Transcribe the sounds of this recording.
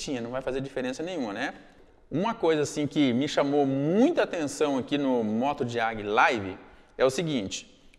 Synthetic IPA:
t͡ʃĩɲɐnɐ̃w̃vajfazeɾd͡ʒifeɾẽsɐnẽj̃ũmɐnɛ | ũmɐkojzɐasĩkɪmɪʃamowmũj̃t̪ɐaːt̪ẽsɐ̃w̃akinʊmɔt̪ʊd͡ʒiaɡɪlajvɪ̰ | ɛʊsɪɡĩnt͡ʃɪ̥

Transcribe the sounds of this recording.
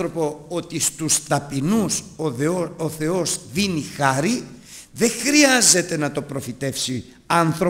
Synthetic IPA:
ɾopo̞ot̪ist̪ust̪ɐpinus | oθe̞o̞zðinixɐɾi | ðe̞xɾiɐze̞t̪e̞nɐt̪o̞pɾo̞fit̪e̞fsi | ɐnθɾo

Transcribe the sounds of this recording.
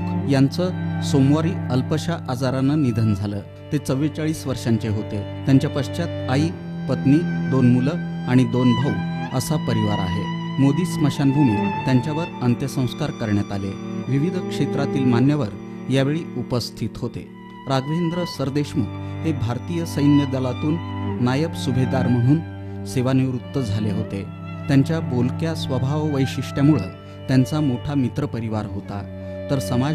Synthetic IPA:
jant͡səsomʋaɾiːəlpəɕaʔad͡zaɾanːənid̪ʱənd͡zʱalə̰ː | t̪et͡səʋiɭt͡saɭiːsʋəɾʂaɲt͡ɕeɦot̪et̪jaɲt͡ɕjapəʂt͡ɕat̪aiː | pət̪niːd̪onmuləaɽ̃id̪onbʱauəsapəɾiʋaɾa̰ɦe | mod̪iːsməɕand̪ʱuñit̪jaɲt͡ɕjaʋəɾənt̪jəsə̃w̃skaɾkəɾɳjat̪alḛʋiʋid̪ʱkʂet̪ɾat̪iːlmanjəʋəɾ | jaʋeɭiːupəst̪ʰit̪ɦot̪ḛ | ɾaɡʋend̪ɾəsəɾd̪eɕməɦebʱaɾt̪iːjəsəjnjəd̪əlat̪uːnːajəpsubʱed̪aɾm̤əɽ̃uːn | seʋaniʋɾut̪ːəd͡zʱaleɦot̪e | t̪jaɲt͡ɕjabolkjasʋəbʱaʋʋəjɕiʂʈjamuɭe | t̪jant͡samoʈʰamit̪ɾəpəɾiʋaɾɦot̪a̰ | t̪əɾsəma

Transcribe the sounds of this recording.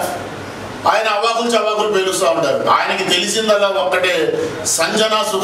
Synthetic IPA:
aːjɐnɐːʋaːɡult͡ʃɐbaːɡulupeːlust̪aːuɳʈaːɾṵʔaːjɐnɐkit̪e̞lisind̪ɐlːaːɔkːɐʈeːsɐɲd͡ʒɐnaːsuk

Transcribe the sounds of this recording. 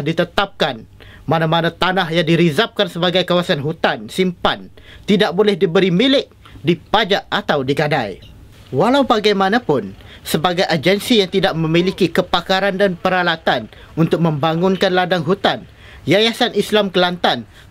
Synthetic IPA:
hdit̪ət̪ap̚kan | manãmanãt̪anahjaŋdiɾizap̚kansəbaɡajkawasanɦut̪ansimpant̪idaʔ̚bolɛhdibəɾimilɪk̚ | dipad͡ʒaʔat̪awdiɡadaj | walawbaɡajmãnãpʊn | səbaɡajʔad͡ʒɛnsijaŋt̪idaʔ̚mə̃milikikəpakaɾandanpəɾalat̪an | unt̪ʊk̚mə̃mbaŋʊnkanladaŋɦut̪an | jajasanislamkəlant̪an

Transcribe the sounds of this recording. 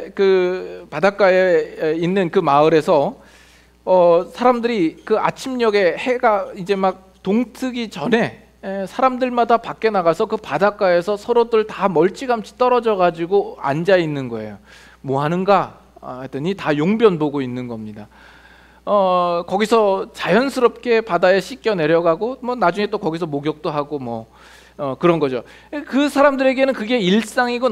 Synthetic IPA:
kɯpadak͈aeinːɯnkɯmaɯɾe̞sʰʌ | ʌsʰaɾamdɯɾikɯa̰t͡ɕʰimɲʌɡe̞he̞ɡaid͡ʑe̞mak̚ | toŋtʰɯɡit͡ɕʌne̞ | sʰaɾamdɯɭmadapak̚k͈e̞naɡasʰʌkɯpadak͈ae̞sʰʌsʰʌɾodɯɯɭtamʌɭt͡ɕ͈iɡaɦamt͡ɕʰi̥t͈ʌɾʌd͡ʑʌɡad͡ʑiɡoa̰nd͡ʑainːɯnɡʌe̞̰jo | mwʌɦanɯnɡa | t͈ɯɲitajoŋbjʌnboɡoinːɯnɡʌmɲida | ʌkʌɡisʰʌt͡ɕajʌnsʰɯɾʌp̚k͈ʰe̞padajʌɕʰik͈jʌne̞ɾjʌɡaɡomʌnad͡ʑuŋe̞t͈okʌɡisʰʌmoɡjʌk̚t͈oɦaɡomwʌ | ʌkɯɾʌnɡʌd͡ʑo | kɯsʰaɾamdɯɾe̞ɡe̞nɯnkɯɡe̞iɭs͈aŋiɡo

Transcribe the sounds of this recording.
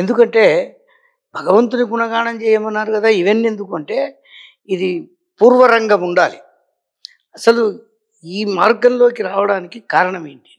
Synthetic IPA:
end̪ukɐɳʈe̞ː | bʱɐɡɐʋɐnt̪unikunɐɡaːɳɐmt͡ʃɛːjɐmɐnːaːɾukɐd̪aːiʋenːe̞nd̪ukɐɳʈe̞ː | id̪i | puːɾʋɐɾɐŋɡɐmuɳɖaːli | ɐsɐlu | iːmaːɾkɐnlo̞ːkiɾaːʋɐɽaːnikikaːɾɐɳɐmeːɳʈi̥

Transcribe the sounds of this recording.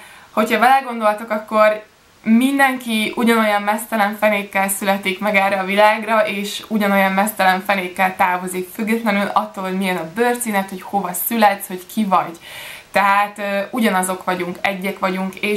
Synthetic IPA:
ho̞chɒbɛlɛɡo̞nd̪o̞lt̪okɒkːo̞r | mind̪ɛŋkiuɟɒno̞jɒmmɛst̪ɛlɛɱfɛneːkːɛlsylɛt̪ikmɛɡɛrɾɛːvilaːɡrɒʔeːʃuɟɒno̞jɒmmɛst̪ɛlɛɱfɛneːkːɛlt̪aːvo̞zikfyɡːɛt̪lɛnylɒt̪ːoːlhomijɛnɒbørt̪siːnɛt̪ho̞cho̞vɒsylɛt̪sho̞ckʰivɒɟt̪ɛɦaːt̪ːuɟɒnɒzo̞kʋɒɟuŋkɛɟːɛkʋɒɟuŋkeː

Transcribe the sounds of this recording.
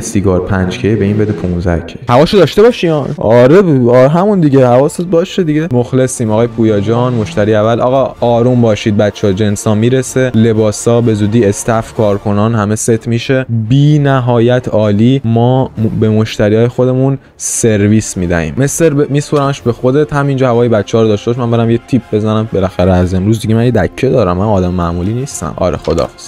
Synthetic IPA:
siɡɒːɾpʰænd͡ʒcʰebeiːnbed̪epʰũnzæ̰cʰehævɒːʃod̪ɒʃt̪e̞bɒːʃiɒnɒːɾeɾɦæmund̪iɟehævɒːsebɒːʃed̪iɟemoxle̞siːmɒɣɒːjepʰuːjɒːd͡ʒɒːnmo̞ʃt̪æɾiːævælʔɒ̰ːɣɒɒːɾumbɒːʃiːd̪̚bæt̪t͡ʃʰːɒd͡ʒe̞nsɒːmiːɾesele̞bɒːsɒːbe̞zuːd̪iːe̞st̪æfkʰɒːɾkʰo̞nɒːnɦæme̞set̪ʰmiːʃe̞biːnæɦɒːjæt̪ʰɒːliːmɒːbe̞mo̞ʃt̪æɾiːɒːjexo̞d̪e̞mun | se̞ɾviːsmiːd̪æ̰hḭːmːeseɾbemiːspoɾæmeʃbexo̞d̪et̪hæmind͡ʒɒːhævɒːjebæt̪t͡ʃʰːɛɒːɾod̪ɒːʃt̪eɔʃmænbeɾæmjet̪ʰipʰbe̞zænæmbe̞læxæɾeæze̞mɾuːzd̪iɡɟemænjed̪æcʰːed̪ɒːɾæmːænɒːd̪æmmæʔmuːliːniːst̪æ̰mɒ̰ɾḛxo̞d̪ɒ̰fs

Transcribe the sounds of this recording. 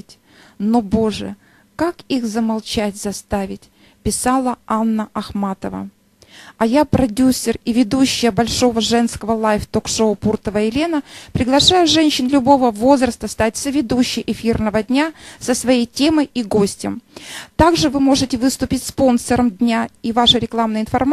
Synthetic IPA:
tʲ | nobo̞ʐɨ̰ | kakixzəmalˠt͡ɕætʲzɐst̪avʲɪtʲ | pʲɪsalˠəanːəɐxmat̪əvə̰ | ɐjapɾɐdʲusʲːɪrivʲɪd̪uɕːɪjəbɐlʲʂo̞vəʐɛnskəvəlˠajft̪okʂoʊpurt̪əvəɪlʲe̞nəpɾʲɪɡlˠɐʂajʊʐɛnʲɕːɪnlʲʊbo̞vəvo̞zrəst̪əst̪at̚ʲsəvʲɪd̪uɕːɪjʔɪfʲirnəvədʲnʲasəsvɐjejtʲe̞məjiɡo̞sʲtʲɪmt̪aɡʐɨvɨmo̞ʐɨtʲɪvɨst̪ʊpʲɪtʲspo̞nsəɾəmdʲnʲaivaʂɨɾʲɪklˠamnəjɪnfɐrm

